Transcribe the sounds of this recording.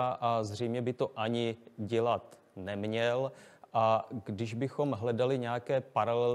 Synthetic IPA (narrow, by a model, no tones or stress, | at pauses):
ʔazr̝ɛjmɲɛbɪt̪oʔaɲɪɟɛlat̪ | nɛmɲɛlʔaɡdɪʒbɪxo̞mɦlɛdalɪɲɛakɛːpaɾalɛl